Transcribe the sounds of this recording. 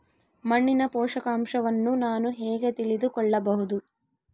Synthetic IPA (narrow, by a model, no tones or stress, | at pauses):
mɐɳːinɐpɔːʂɐkaːmʂɐʋɐnːunaːnuɦɛːɡet̪iɭid̪ukɔɭːɐbɐɦud̪u